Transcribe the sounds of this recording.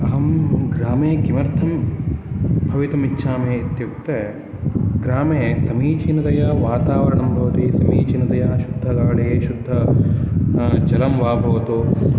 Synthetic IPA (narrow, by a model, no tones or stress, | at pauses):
ɐɦɐmɡɾaːmeːkimɐɾt̪ʰɐm | bʱɐʋit̪ɐmitːʃʰaːmeːt̪jɐkt̪e | ɡɾaːmeːsɐmiːt͡ʃinɐt̪ɐjɐʋaːt̪aːʋɐɾɐɳɐmbʱɐʋɐt̪isɐmiːt͡ʃinɐt̪ɐjɐʃud̪ʱːɐɡaːɭeeʃud̪ʱːɐ | d͡ʒɐlɐmʋaːbʱɐʋɐt̪u